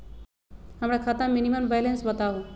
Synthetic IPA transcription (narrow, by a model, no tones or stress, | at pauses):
ɦəmɾakʰat̪aminiməmbajlensbət̪aɦũ